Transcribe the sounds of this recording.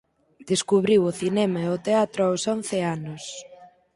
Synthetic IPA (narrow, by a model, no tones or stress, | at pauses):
d̪̥eskuβɾiwoθinɛmɐot̪eat̪ɾoawson̟θeanʊs